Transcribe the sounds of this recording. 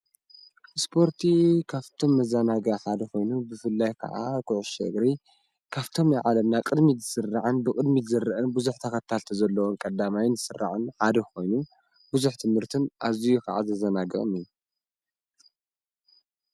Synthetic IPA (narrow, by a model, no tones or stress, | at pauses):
spʰo̞ɾt̪ʰikʰaft̪ʰo̞mːɐzanaɡaħad̪ɐxo̞jnubɨfɨlːajkʰɐ̰ʕa̰kʼʊʕʊʃɐ̰ɡɾi | kʰaβt̪ʰo̞mjɪʕalɐmnakʼɨd̪mizɨsɨrːaʕɨnbɨkʼɨd̪mizɨrɨʔɨnbuzuħt̪ʰɐkɐt̪ʰːalt̪ʰɐzɐlːɐwonkʼɐd̪amajɪnɨsɨrʔa̰ʕɨnħad̪ɐko̞jnu | buzuħt̪ʰɨmhɨɾt̪ʰɨnʔazijukʰa̰ʕa̰zɐzɐnaɡɐ̰χʼɨ̰mijːu